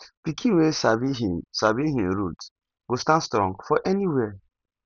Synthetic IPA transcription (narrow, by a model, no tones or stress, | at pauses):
pikʰĩwesabiɦisabiɦĩmɾut | ɡ̥ostãnstɾɔ̰̃ŋɡfɔʔɛniwɛ